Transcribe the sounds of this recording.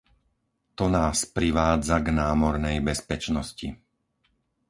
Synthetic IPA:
t̪ɔnaːspɾiʋaːd͡zaɡnaːmɔɾnɛjbɛspɛt͡ʃnɔsci

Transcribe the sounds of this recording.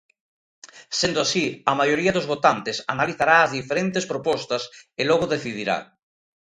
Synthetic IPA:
send̪oasiamajoɾiaðozβot̪ant̪esa̰naliθaɾaːzðifeɾent̪espɾopɔst̪ɐselɔɣ̞oðeθiðiɾa̰

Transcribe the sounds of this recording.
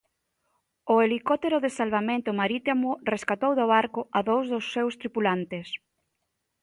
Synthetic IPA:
ʊelikɔt̪eɾoðesalβamẽnt̪ʊmaɾit̪amʊreskat̪owðoβaɾkʊaðowzðosːewst̪ɾipulant̪es

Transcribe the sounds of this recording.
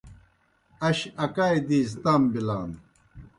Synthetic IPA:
ɐɕɐkaːjd̪iːs̬t̪ambilaːn

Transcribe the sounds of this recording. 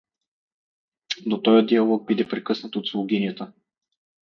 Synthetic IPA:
d̪ot̪ɔjəd̪iɐlˠɔɡ̚bid̪ɛpɾɛkɤsnət̪ot̪slˠoɡʲiniət̪ə

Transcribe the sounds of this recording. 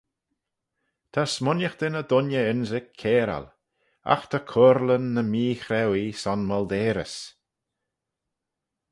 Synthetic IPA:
t̪ʰasmʊnjəxd̪̥ɪnəd̪ʊnjəɪnzɪkʰːeːɾa̰l | a̰xt̪ʰakʰʊɾlənːəmiːxɾɛwisɔnmɔld̪eːɾə̰s

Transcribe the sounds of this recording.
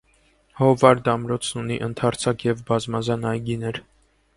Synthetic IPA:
hɔvɑɾd̪ɑmɾɔt͡sʰnuniʔənt̪ʰɑɾt͡sʰɑkjɛvbɑzmɑzɑnɑjɡinɛɾ

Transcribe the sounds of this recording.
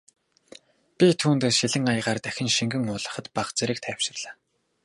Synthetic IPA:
pʲit̪ʰuːnt̪eːsʃiɮɘ̆ŋajʁaːrt̪æxʲɪ̆nʃiŋɡɘ̆ŋʊːɮə̆χə̆t̪paχt͡seɾɘ̆kt̪ʰæːwʃɪ̆rɮaː

